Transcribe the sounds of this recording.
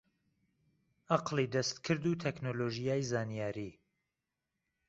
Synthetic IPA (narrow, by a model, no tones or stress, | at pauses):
ʔɑqlid̪ɐst̪kʰɨɾd̪ut̪ʰɛknoloːʒijaːjzaːnijaːɾiː